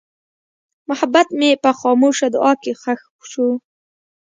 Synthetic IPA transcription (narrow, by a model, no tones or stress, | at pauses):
mʊhabat̪mepəxɑmoʃad̪ʊʔɑkexax | ʃu